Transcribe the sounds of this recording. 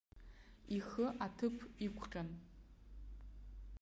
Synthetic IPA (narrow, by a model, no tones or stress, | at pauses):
ixɨʔatʰɨpʰikʷʰqʲʼan